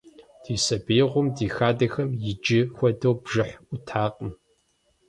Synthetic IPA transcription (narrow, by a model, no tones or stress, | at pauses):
d̥iːsɐbeːʁʷʊmdiːxaːdɐxɐmjɪd͡ʒɪxʷɔdɐwbʒɨħʷʊtʰaːqʼəm